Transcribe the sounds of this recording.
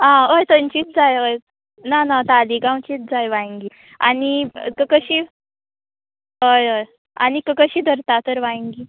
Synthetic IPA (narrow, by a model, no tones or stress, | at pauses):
ãəjt̪ənt͡ɕiːt̪̚d͡zajəj | nanat̪aliɡaw̃t͡ɕiːt̪̚d͡zajʋãŋɡiː | anikəkəɕiː | ɦəjoj | a̰nikəkəɕiːd̪ʱəɾt̪at̪əɾʋãŋɡiː